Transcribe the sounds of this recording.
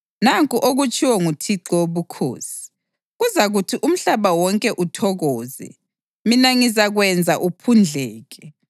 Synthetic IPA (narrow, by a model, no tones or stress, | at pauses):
naŋkʼuʔoɣut͡ʃʼiwɔŋutʰiǁɔoβukʰo̰ːsi̥ | ɣuzaɣutʰiʔum̩ɬaβawɔŋkʼɛʔutʰɔɣɔːzɛ̰ | minaŋizaɣwɛnd͡zʱaʔupʰund͡ɮʱɛːɣɛ